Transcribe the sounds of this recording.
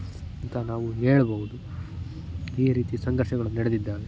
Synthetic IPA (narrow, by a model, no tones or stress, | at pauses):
ɐnt̪ʰɐnaːʋuɦeːɭboːɦud̪u | iːɾiːt̪isɐŋɡɐɾʂɐɡɐɭɐnnɐɽed̪id̪ːaːɾe